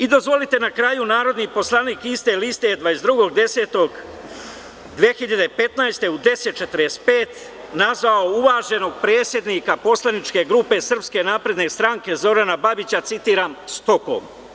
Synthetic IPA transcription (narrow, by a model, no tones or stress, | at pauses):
id̪o̞zʋo̞lit̪e̞nakɾaːjunaːɾo̞d̪nipo̞slˠaːniːkist̪e̞list̪e̞d̪ʋaezd̪ɾuɡo̞ɡd̪e̞se̞ːt̪o̞ɡ | d̪ʋiexiʎad̪epe̞t̪najst̪e̞ud̪e̞se̞t̪̚t͡ʃe̞t̪ɾjespeːt̪ | nazʋaouʋaːʒe̞no̞ɡ̚pɾe̞ːt̪sje̞d̪niːkapo̞slˠanit͡ʃke̞ɡɾuːpe̞sr̩pske̞naːpɾe̞d̪ne̞st̪ɾaŋke̞zo̞ɾanababit͡ɕat̪sit̪iːɾaːmst̪o̞ko̰m